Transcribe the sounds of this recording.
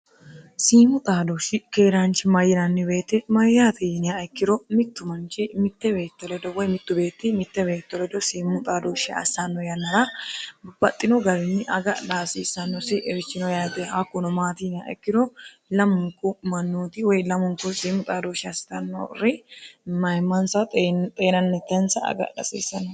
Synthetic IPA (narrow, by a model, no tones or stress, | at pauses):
siːmʊt̪ʼaːd̪ɔʃɪkeːɾant͡ʃɪmɐjːɪnɐnːɪbe̞ːt̪ːɪmɐjːat̪iːnɪjaɛkːɪɾɔmɪt̪ːʊmɐnt͡ʃɪmɪt̪ːɛbe̞ːt̪ːɔlɛd̪ɔwɔjmɪt̪ːʊbe̞ːt̪ːɪmɪt̪ːɛbe̞ːt̪ːɔlɛd̪ɔsiːmʊt̪ʼaːd̪oːʃɪɐ̰sːanːɔjɐnːɐɾɐ | b̥ɐt̪ʼːɪnɔɡɐɾɪnːɪʔɐɡɐᶑaːsiːsːɐnːɔsɪʔɛɾɪt͡ʃːɪnɔjad̪ɛhɐkːʊnɔmaːt̪iːnɪja̰ɐ̰kːɪd̪ɔ | lɐmʊŋkʊmɐnːuːt̪ɪwɔjlɐmʊŋkʊsiːmːʊt̪ʼaːd̪oːʃɪɐst̪ɐnːɐʊ̰rɪmɐjmɐnsɐt̪t̪ʼeːnɐnːɛt̪ːɛnsɐɐ̰ɡɐ̰ᶑɐ̰sḭːsːɐnːɔ